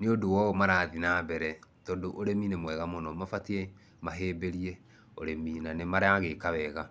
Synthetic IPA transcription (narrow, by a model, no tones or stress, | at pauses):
neodowɔmaɾaːðinabɛɾɛtɔːdoʔoɾeminemwɛɣamɔnɔmafatiɛ | maɦeːbeɾiɛ | oɾeminanemaɾeaɣekawɛɣa